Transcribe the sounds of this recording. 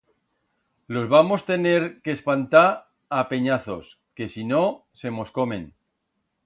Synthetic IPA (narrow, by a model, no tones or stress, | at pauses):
lo̞zβamo̞st̪e̞ne̞ɾkeːspant̪aɾ | ape̞ɲaθo̞̰s | ke̞sino̞se̞mo̞sko̞mẽ̞̰n